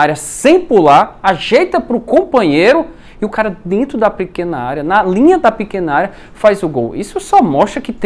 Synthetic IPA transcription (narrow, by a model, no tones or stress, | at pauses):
aɾjɐsẽj̃pulaɾaʒejt̪ɐpɾʊkõpɐ̃ɲejɾʊ | ɪʊkaɾɐd̪ẽnt̪ɾʊd̪ɐpɪkẽnɐaɾjɐnɐlĩɲɐd̪ɐpɪkẽnɐaɾjɐ | fajzʊɡo̰wḭsʊsɔmɔst̪ɾɐkɪt̪ẽ